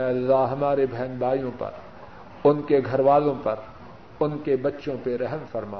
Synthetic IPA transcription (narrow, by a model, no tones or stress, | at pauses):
ɛ̃ɐlːaɦɐmaːɾebʱɛːnbaːijõpɐ̰ɾ | ʊnkeɡʱɐɾʋaːlõpɐɾ | ʊnkebɐtːʃõpeɾɛɦmfɐɾma̰ː